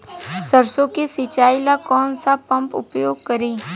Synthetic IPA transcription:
səɾsõkesɪt͡ʃaːilakɔːnsapɐ̃mpʊ̰pjoːɡ̚kəɾiː

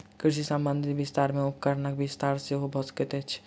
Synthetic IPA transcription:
kɾɪʃisambənd̪ʱibɪst̪aːɾmẽʊpkəɾnəkbɪst̪aːɾseɦobʱəskit̪ɛt͡ʃʰ

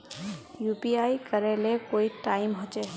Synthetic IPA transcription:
jupiajkəɾɛlɛkoiʈajmɦot͡ʃɛ

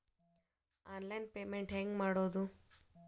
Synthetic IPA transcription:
aːnlɐjnpeːmeɳʈɦeŋɡmaːɽoːd̪u

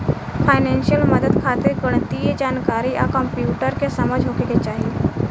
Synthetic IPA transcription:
fʰajnẽnʃjəlməd̪əd̪kʰat̪iɾɡəɽ̃ət̪ijed͡ʒaːnkaːɾia̰kɔ̃mpjuːʈəɾkesəməd͡ʒʱɦokeket͡ʃaːɦi

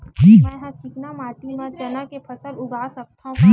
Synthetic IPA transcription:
d͡ʒimɛ̃ɦãt͡ʃɪknamaːʈimãt͡ʃɐnakepʰɐsəlʊɡʱaːsɐk̚t̪ʰãd͡ʒi

